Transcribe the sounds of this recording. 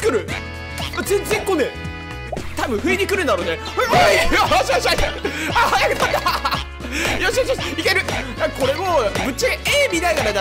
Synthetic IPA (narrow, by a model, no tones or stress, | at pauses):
kɯɾɯ̟ | azẽnzẽ̞ŋkõnːe | t̪abɯ̟̃ɸɯ̟eɲʲikɯ̟ɾɯ̟̃nd̪aɾo̞ːnehɯ | aɕiaɕaajaɾipat̪ːa | joɕioɕjoɕikʲe̞ɾɯ̟nãkako̞ɾe̞omɯ̟t̚t͡ɕːaɡeːmʲid̪aiɡaɾad̪a